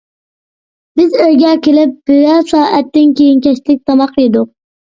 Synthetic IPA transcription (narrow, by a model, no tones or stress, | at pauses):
b̥ɪzøjɡʲɛkʲʰelɪp̚b̥yjɛsɑːɛt̪ːɪnkʲejinkʲɛʃlɪk̚ʲt̪ʰɑmɑqid̪ʊq̚